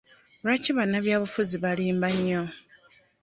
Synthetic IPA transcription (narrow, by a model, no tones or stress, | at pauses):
lwaciβanaβjaːβufuziβaliːmbaɲːo